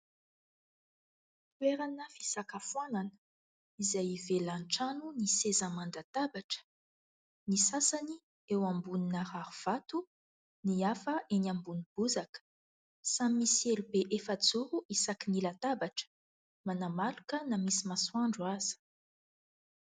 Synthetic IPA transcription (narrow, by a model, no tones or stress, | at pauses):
pweɾanəvi̥sakafuwananə̥ | izajvelanʈ͡ʂanunisezamand̪at̪abaʈ͡ʂə̥ | nisasani | ewambuninaɾaɾuv̥at̪u | niafəʔenambunib̥uzakə̥ | samimisielubeʔefəd͡zuɾuʔisakinilat̪abaʈ͡ʂə̥ | manamalukənamisimaswaɳɖ͡ʐuaz̥i̥